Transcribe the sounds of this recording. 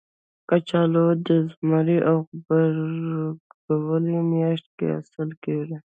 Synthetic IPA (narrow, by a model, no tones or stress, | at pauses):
kat͡ʃɑlod̪əzmaɾiʔawbəɾ | awəlimjɑʃt̪̚kḛa̰səlkewɾe